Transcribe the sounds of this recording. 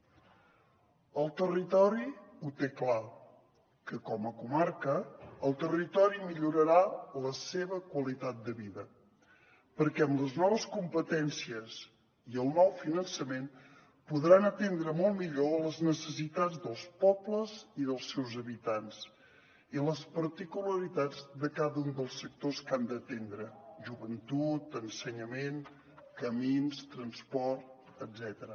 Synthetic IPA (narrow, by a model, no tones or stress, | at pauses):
əlˠt̪ərit̪ɔɾiut̪ekla | kəkɔməkumaɾkəːlˠt̪ərit̪ɔɾimiʎuɾəɾaləseβəkwəlit̪at̪̚d̪əβiðə | pəɾkɛəmləznɔβəskumpət̪ɛnsiəz | iəlˠnɔwfinənsəmen | puðɾanət̪end̪ɾəmɔlˠmiʎoləznəsəsit̪ad͡zd̪əlˠspɔbləziðəlˠsɛwzəβit̪ans | iləspəɾt̪ikuləɾit̪ad͡zd̪əkaðəund̪əlˠsək̚t̪oskand̪ət̪end̪ɾəʒuβənt̪ut̪ənsəɲəmen | kəminst̪ɾənspɔrt̪̚ | əzɛt̪əɾə